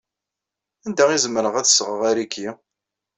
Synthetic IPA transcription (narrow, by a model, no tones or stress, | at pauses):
ænd̪æizəmːəɾəʁæθsəʁəʁæɾikʰːi